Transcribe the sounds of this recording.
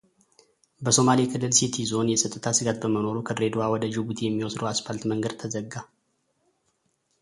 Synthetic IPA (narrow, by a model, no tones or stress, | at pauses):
bəso̞malikʰɨlːɨlsit̪ʰizo̞njɛsʼət̪ʼːɨt̪ʰasɨɡat̪̚bəməno̞ɾukʰəɾe̞d̪uawɔd̪əd͡ʒɪbut̪ʰjɛmːiwɔsd̪əwaspalt̪məŋɡəd̪̚t̪ʰəzəɡːa